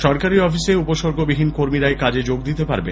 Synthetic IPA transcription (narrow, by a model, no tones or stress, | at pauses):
ʃɔɾkaɾiɔfiseupoʃoɾɡʱobiɦinkoɾmiɾaekad͡ʑed͡ʑoɡd̪it̪epa̰ɾbḛn